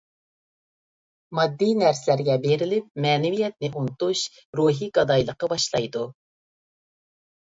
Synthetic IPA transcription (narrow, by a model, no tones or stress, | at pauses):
mɑd̪ːinæɾsɪlæɾɡʲɛbeɾɪlɪp̚mɛːnɪwijɛt̪̚nɪʔunɨt̪uʃ | ɾuɦiɡɑd̪ɑjlˠəqːɑbɑʃlˠɑjd̪u